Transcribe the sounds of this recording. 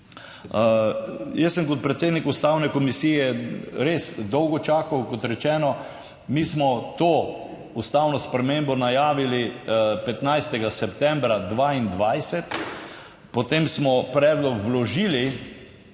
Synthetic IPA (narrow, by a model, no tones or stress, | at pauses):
jəsːəmkɔt̪̚pɾɛt̪sed̪nikust̪awnɛkɔmisiːjɛɾesd̪ɔwɡɔt͡ʃaːkawkɔt̪ɾɛt͡ʃɛːnɔ | mismɔt̪oː | ust̪awnɔspɾɛmembɔnajaːʋilipɛt̪najst̪ɛɡasɛpt̪ɛ̃mbɾad̪ʋaːind̪ʋajsɛt̪ | pɔt̪emsmɔpɾɛːd̪lɔkwlɔʒiːli